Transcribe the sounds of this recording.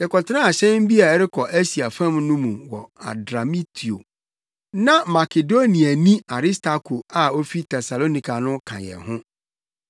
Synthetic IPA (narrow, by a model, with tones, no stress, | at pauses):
dɪ˨kɔ˨tʰɪ˦ã˦a˨ɕɛ̃˦m˦bi˦a˨ɛ˦ɾɪ˦kʰɔ˨ʔæ˦ɕi˨a˨fã˦˨mnũ˦mũ˨mwɔ˨a̰˨dɾa˨mi˦tʰi˨o̰˨ | nã˦ma˨kʰe˨do˦nĩ˨a˨nĩ˦a˨ɾi˦stʰa˨kʰo˨a˨o˦fi˦tʰɛ˨sa˨lo˦nĩ˨kʰa˨nʊ̃˦kʰã̰˨jɛ̰˨ɦʊ̃˦